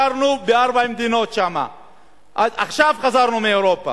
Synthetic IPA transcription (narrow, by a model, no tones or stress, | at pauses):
aɾnubeaɾbaimd̪inot̪ʃama̰ | ʔaaχʃavχazaɾnumeeɾopa̰